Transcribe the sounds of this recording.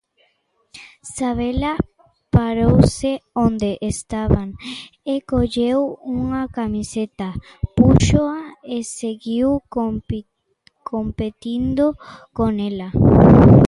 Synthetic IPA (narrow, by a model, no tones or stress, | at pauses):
saβela | paɾowseond̪eʔest̪aβaŋekoʎewuŋakamiset̪apuʃoaeseɣiw | kʰompet̪ind̪okonela